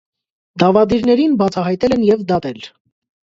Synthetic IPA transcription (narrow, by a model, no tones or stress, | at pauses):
d̪ɑvɑd̪iɾnɛɾinbɑt͡sʰɑɦɑjt̪ɛlɛnjɛvd̪ɑt̪ɛl